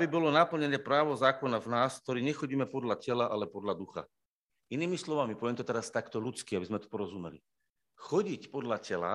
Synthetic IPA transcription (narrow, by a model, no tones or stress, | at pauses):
bibɔlɔnap̩ɲɛɲɪɛpɾaːʋɔzaːkɔnavnaːsk̚t̪ɔɾiːɲɛxɔɟiːmɛpɔd̪lacɛlaʔalɛpɔd̪lad̪uxa̰ | iniːmislɔʋamipɔʋɛmt̪ɔt̪ɛɾast̪akt̪ɔlut͡skiabizmɛt̪u̥pɔɾɔzumɛlḭ | xɔɟicpɔd̪lacɛla̰